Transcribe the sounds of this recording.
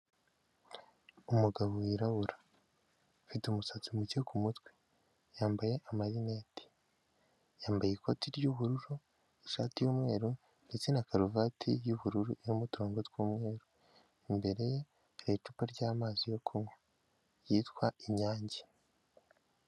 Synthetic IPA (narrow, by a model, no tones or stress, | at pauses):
umuɡaβoiɾaβuɾa | fitumusat͡simucekumutwe | jaːmbaje̞ʔamaɾine̞ːti̥ | jaːmbajekʰo̞tiɾɟuβuɾuɾu | iʃaːtijuːmŋe̞ːɾu | ndet͡se̞nakaɾuvatʰijuβuɾuɾuʔijomutuɾoːŋɡotɡwuːmŋe̞ːɾu | imbe̞ɾe̞je | ɾet͡ʃupaɾɟaːmaːzijo̞kʰumwe | jiːtwaiɲaːɲɟe